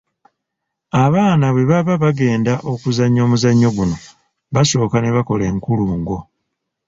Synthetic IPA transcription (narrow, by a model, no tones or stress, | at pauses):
aβaːnaβwe̞βaβaβaɡe̞ːndaʔo̞kuzaɲːo̞ːmuzaɲːo̞ɡuno̞ | βaso̞ːkane̞βako̞le̞ːŋkuluːŋɡo̞